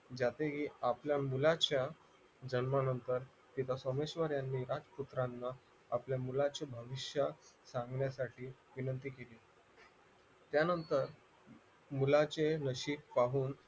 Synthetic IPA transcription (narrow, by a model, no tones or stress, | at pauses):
d͡ʑat̪eɦiːapljamulat͡ɕja | d͡ʑənmanənt̪əɾ | t̪it̪ʰasomeɕʋəɾjanːiːɾad͡zput̪ɾanːaː | pljamulat͡ɕebʱəʋiɕjəsãŋɡɳjasaʈiː | ʋinənt̪iːkeliː | t̪janənt̪əɾ | mulat͡senəɕiːpaɦuːn